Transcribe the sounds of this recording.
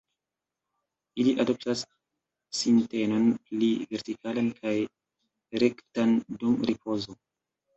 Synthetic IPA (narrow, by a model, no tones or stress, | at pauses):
iliʔado̞p̚tasː | inte̞nonpliveɾtikʰalankʰaj | ɾektandumɾipʰo̞zo